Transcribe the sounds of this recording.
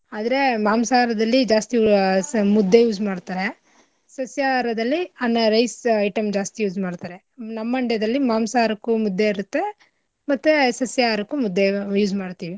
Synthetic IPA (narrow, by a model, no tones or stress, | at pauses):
aːd̪ɐɾe̞maːmsaːɾɐd̪ɐlːid͡ʒaːst̪iumud̪ʱːejuːd͡ʒmaːɽt̪aːɾe | sɐsjaɾɐd̪ɐlːianːɐɾɐjsɐjʈɐmd͡ʒaːst̪ijuːd͡ʒmaːɽt̪aːɾe | nɐmːɐɳɖjɐd̪ɐlːimaːmsaːɾɐkːumud̪ːeiɾut̪ːe̞ | mɐt̪ːesɐsjaɾɐkːumud̪ːejuːd͡ʒmaːɽt̪iːʋi